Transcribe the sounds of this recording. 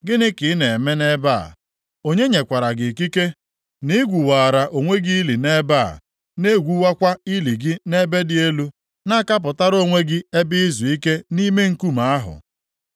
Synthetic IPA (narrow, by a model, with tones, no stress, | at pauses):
ɡɪ˦nɪ˦kɪ˨˦ne˨e˨me˦ne˦ba̰˦˨ | o˦ɲe˦ɲe˨kʷa˨ɾa˨ɡɪ˨ki˦ke˦ | nɪ˦ɡʷu˨waː˨ɾa˨ʔo˨ŋʷe˦ɡi˦i˦li˨ne˦ba̰˦˨ | ne˦ɡʷu˦wa˦kʷa˦i˦li˨ɡɪ˦ne˦be˦dɪ˦e˦lu˦ | na˦˨ka˦p̬ʊ˨ta˦ɾo˦˨ŋʷe˦ɡɪ˦e˦bɪ˦i˦zu˨i˦ke˦ni˦me˦ŋ̩˦ku˦ma˨a˦ɦʊ̰˨